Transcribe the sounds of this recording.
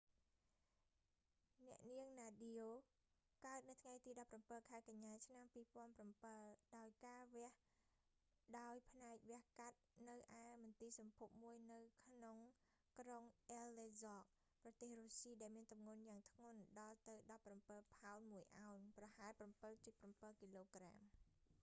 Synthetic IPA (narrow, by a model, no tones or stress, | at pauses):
nɛ̆əʔniəŋnaːɗioː | kaət̪̚nɨwt̪ʰŋajt̪iːɗɑpːrampəlkʰaɛkaɲːaːt͡ɕʰnampiːpŏənprampəlɗaɔjkaːʋɛ̆əh | ɗaɔjpʰnaɛk̚ʋɛ̆əhkat̪̚nɨwʔaɛmɔnt̪iːsɑmpʰup̚muəjnɨwkʰnoŋ | kroŋʔɛlːeːzɑːk̚ | prɑt̪eːhroːsiːɗaɛlmiənt̪umŋunjaːŋt̪ʰŋʊ̆ənɗɑlt̪ɨwɗɑpːrampəlpʰaɔnmuəjʔaɔnprɑhaɛlprampɨlt͡ɕət̪̚prampəlkiːloːkra̰ːm